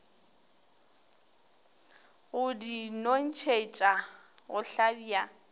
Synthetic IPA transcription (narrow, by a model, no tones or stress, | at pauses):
ʊdinon̩t͡ʃʰet͡ʃʼaɣʊɬabiːa